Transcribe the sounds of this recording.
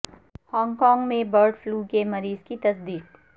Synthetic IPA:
hɔ̃ːŋɡkɔːŋɡmẽbəɾɖfluːkemɐɾiːzkit̪ɐsd̪iːq̚

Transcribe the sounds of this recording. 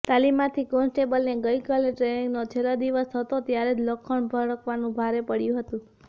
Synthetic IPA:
t̪alimːãt̪ʰikonsʈebəlneɡəjkaleʈɾenĩŋɡnot͡ʃʰelad̪iʋəsɦət̪ot̪jaɾed͡ʒləkʰːəɳbʱəɽəkʰʋanũbʱaɾepəɽjũɦət̪ũ

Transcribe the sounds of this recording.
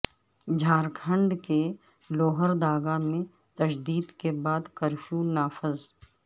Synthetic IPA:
d͡ʒʱaːɾkʰə̃ɳɖke | loːɦəɾd̪aːɡamẽ | t̪ɐʃd̪iːd̪kebaːd̪kəɾfʰjuːnaːfɪz

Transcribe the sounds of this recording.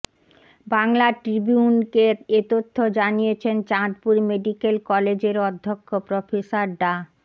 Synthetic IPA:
baŋlaʈɾibiunkeet̪ot̪ʰːod͡ʑanijet͡ɕʰent͡ɕãʈpuɾmeɖikelkɔled͡ʑeɾɔd̪ʱːokʰːopɾofesaɾɖa

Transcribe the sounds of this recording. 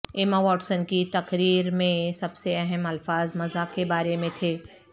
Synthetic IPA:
eːmaʋɔːʈsənkit̪ɐqɾiːɾmẽsɐbseɛɦɛmɐlfaːzmɐzakebaːɾemẽt̪ʰeː

